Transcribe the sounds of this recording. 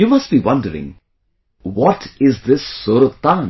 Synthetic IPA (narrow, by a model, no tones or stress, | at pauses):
juːmɐsʈbiʋʌ̃ɳɖəɾɪ̰̃ŋ | ʋɔʈɪzd̪ɪsːʊɾət̪ːãn